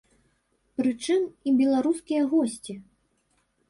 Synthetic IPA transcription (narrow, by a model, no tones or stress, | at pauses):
pɾɨt͡ʂɨmibʲɛlˠaɾuskʲijɐɣɔsʲt͡sʲi